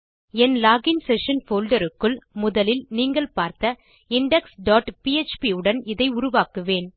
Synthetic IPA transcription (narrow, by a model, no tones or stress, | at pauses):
ɛnlaːɡɪnsɛʂɐnfoːlɖɐɾɯkːɯɭmʊðɐlɪlniːŋɡɐɭpaːɾt̪ɐ | ɪɳɖɛksɖaːʈpiɛt͡ʃpiɯɽɐnɪðɐɪʊɾʊʋaːkɯʋeːn